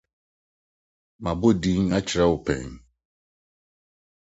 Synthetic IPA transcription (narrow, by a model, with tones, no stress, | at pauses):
mã˨bo˦dĩ˦ŋa˦t͡ɕʰɪ˨ɾa˦wʊ˨pʰɛ̰̃˨ŋ